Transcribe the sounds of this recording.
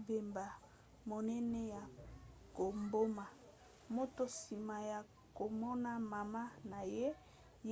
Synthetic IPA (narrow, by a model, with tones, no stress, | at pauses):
be˨mba˨ | mo˨nɛ˦nɛ˦ja˨ko˨mbo˦ma˨ | mo˦to˦si˨ma˨ja˨ | ko˨mɔ˦na˦ma˨ma˦na˨je˦ | j